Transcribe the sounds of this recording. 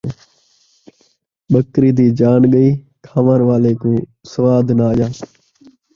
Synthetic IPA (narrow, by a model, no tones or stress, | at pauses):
ɓəkɾiːd̪iːd͡ʒaːnɠəiː | kʰaːʋanʋaːleːkoĩːsəʋaːd̪naːjaː